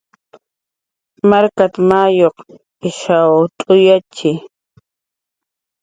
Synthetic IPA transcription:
maɾkat̪amajoq | ɪʃawt̪ʼʊjat͡ʃɪ

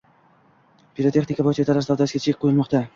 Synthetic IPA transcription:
piɾot̪ʰe̞χnɪkʰabojt͡ʃʰat̪ʰaɾlaɾsawd̪asɡʲat͡ʃʰɪɪk̚ʲqʰːojɪlˠmɒqt̪a

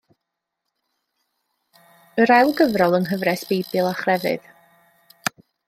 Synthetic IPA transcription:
əɾɛwlˠɡəvrɔlˠənɦəvrɛsb̥ejbɨlˠaχrɛvɨ̰ð̥

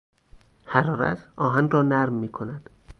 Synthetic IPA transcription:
hæɾɒːɾæ̰t̪ʰɒːɦænrɒːnæɾmːiːkʰonæd̪̥

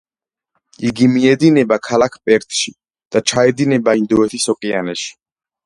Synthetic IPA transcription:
iɡimiɛd̪inɛbakʰalakʰpʼɛɾt̪ʰʼʃi | d̪̥at͡ʃʰaɛd̪inɛbaind̪ɔɛt̪ʰisɔkʼianɛʃi̥

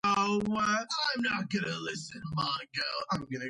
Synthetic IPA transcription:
oʊwɛãɪ̃mnət̚ɡ̥ʌnɨlɪsɨ̃nmɑ̃nɡoʊãɪ̃ɡʌnɨ

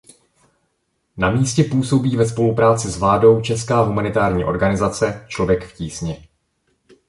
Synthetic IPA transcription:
namiːscɛpuːso̞biːvɛspo̞lupɾaːt͡sɪsvlaːdo̞wt͡ʃɛskaːɦumanɪt̪aːɾɲḭːʔo̞̰ɾɡanɪzat͡sɛt͡ʃlovjɛkfciːsɲɛ

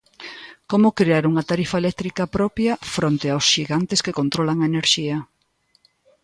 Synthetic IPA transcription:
komʊkɾeaɾuŋɐt̪aɾifaelɛk̚t̪ɾikɐpɾɔpjɐfɾont̪eawsʃiɣant̪eskekont̪ɾɔlaŋɐeneɾʃiɐ

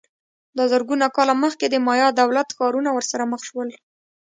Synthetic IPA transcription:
d̪əzəɾɡunakɑlaməxked̪əmɑjɑd̪awlat̪xɑɾunawəɾsaɾaməxʃwəl

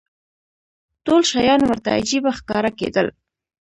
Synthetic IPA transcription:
tolʃajɑnwəɾt̪a̰a̰d͡ʒibaxkɑɾakḛd̪əl

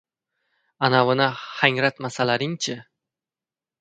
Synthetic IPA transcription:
anavɨnahaŋɾat̪masalaɾɪŋt͡ʃʰɪ

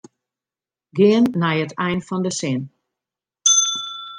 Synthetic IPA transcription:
ɡɪənːɛjətʰɛjnfɔndəsɪn

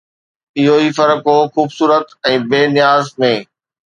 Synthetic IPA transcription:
ɪɦoiːfɐɾəkɦoxuːbsuːɾət̪ɛ̃ːbeːnɪjaːzmẽː

